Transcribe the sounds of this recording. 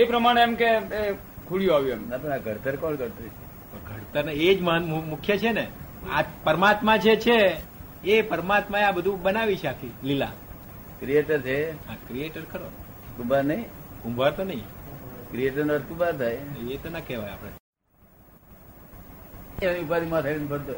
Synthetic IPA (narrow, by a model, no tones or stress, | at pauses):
epɾəmaɽ̃eɛmkee | kʰuɽjũaʋjuemnat̪onaɡʱəɾt̪əɾkɔlkəɾt̪ut͡ʃʰe | pəɡʱəɾt̪əɾned͡ʒməmukʰjət͡ʃʰenea̰pəɾmat̪mãd͡ʒʰet͡ʃʰeː | pəɾmat̪mãeabəd̪ʱũbənaʋit͡ʃʰeakʰilila̰ | kɾieʈəɾt͡ʃʰeakɾijeʈəɾkʰəɾo | ɡũmbʱaɾnəĩɡumbʱaɾt̪onəɦĩkɾieʈəɾnəɾkũmbʱaɾt̪ʰajet̪onakeʋaja̰pɽ̃ḛ | aniupad̪imãt̪ʰajnpəɽt̪o